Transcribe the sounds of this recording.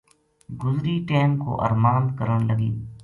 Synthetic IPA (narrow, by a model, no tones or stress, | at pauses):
ɡʊzɾiːʈeːmko̰ʔə̰ɾmaːnd̪kəɾəɳ̃ləɡiː